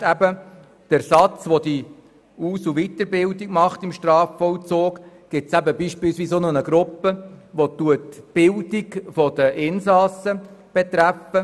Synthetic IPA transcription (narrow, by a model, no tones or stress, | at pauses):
æbə | d̥æɾsɑt͡sʋɔd̪i | uːsuʋit̪əɾbɪldikmɑχtɪmʃtɾɑːfːɔlt͡soːk | ɡ̥ɪsæbəbiːʃpilsʋiːsonɔnəɡɾʊpːəʋɔt̪uətb̥ɪldiɡfɔd̥əʔɪnsɑsəb̥et̪ɾæfə